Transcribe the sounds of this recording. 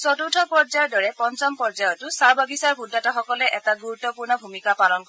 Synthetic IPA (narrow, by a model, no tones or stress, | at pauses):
sɔtutʰɔpɔɹzajɔdɔɹɛpɔnt͡ʃɔmpɔɹzajɔtʊsaɹbabisaɹbudːatɔxɔkɔlɛʔɛtaɡuɹutːɔpuɹnɔbʱumikapalɔnkɔ